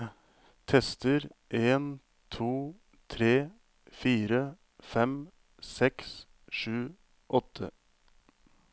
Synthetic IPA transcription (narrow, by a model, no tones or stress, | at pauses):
t̪ʰɛst̪əɾʔeːn | t̪ʰuː | t̪ʰɾeː | fiːɾə | fɛm | sɛks | ʂʉː | ʔɔt̪ʰə